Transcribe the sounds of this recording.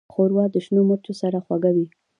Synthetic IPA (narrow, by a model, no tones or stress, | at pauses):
xoɾwɑd̪əʃnoməɾt̪osaɾaxwaɡawi